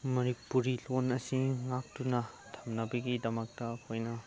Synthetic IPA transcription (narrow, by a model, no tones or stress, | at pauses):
mɐɾik̚puɾilonɐsiŋak̚tunɐ | tʰɐ̥mnɐbɐɡidɐmɐk̚tɐkʰojnɐ